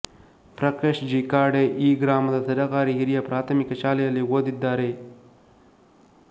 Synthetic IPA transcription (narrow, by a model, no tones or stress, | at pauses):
pɾɐkeʃd͡ʒikaːɖeʔiːɡɾaːmd̪ɐsɐɾɐɣɑːɾiɦiɾijapɾaːt̪mikɐt͡ʃaːlejaliwod̪id̪aːɾe